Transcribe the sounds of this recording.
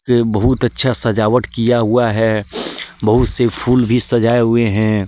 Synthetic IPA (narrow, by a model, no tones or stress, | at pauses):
bɐɦʊt̪ɐtːʃʰasɐd͡ʒaːwəʈkijaɦuaɦɛː | bɐɦʊt̪sepʰuːlbʱisɐd͡ʒaːeɦʊeɦɛ̃